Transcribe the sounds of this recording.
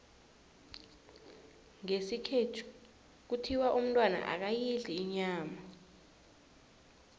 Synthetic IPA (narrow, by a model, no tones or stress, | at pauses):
ŋesikʰetʰu̥ | k̬utʰiwaʔum̩ntʼwana̰ʔa̰k̬ajiɮiːɲaːma